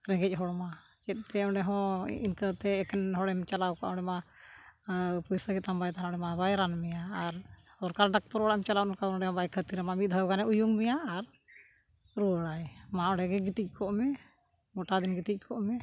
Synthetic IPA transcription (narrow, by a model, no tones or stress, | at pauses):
ɾɛ̃ŋɡɛc̚ˀɦɔɽma | t͡ʃɛt̪̚ˀt̪ɛɔɳɖɛɦɔ̰̃inkət̪ɛːkɛnɦɔɽɛmt͡ʃalawka̰ʔɔ̃ɳɖɛma | pujsəɡɛt̪ambajt̪anɔ̃ɽɛmabajɾanmɛjaːɾ | ɔɾkaɾɖak̚t̪ɔɾɔɽajmt͡ʃalawnkaɔɖɛɦɔ̃bajkʰət̪iɾmamit̪̚d̪ʱawɡanɛʔujuŋmɛjaːɾ | ɾuəɽajmaɔɽɛɡɛɡit̪ic̚ˀkʰɔʔmɛ | mɔʈad̪inɡit̪ic̚ˀkʰɔʔmɛ